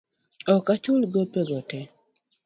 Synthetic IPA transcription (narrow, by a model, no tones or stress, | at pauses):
ɔkat͡ʃʊlɡopeɡɔtɛ